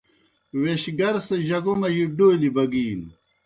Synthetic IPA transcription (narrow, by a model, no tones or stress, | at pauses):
weɕɡɐɾsɐʑɐɡomɐʑiɖojlibɐɡiːn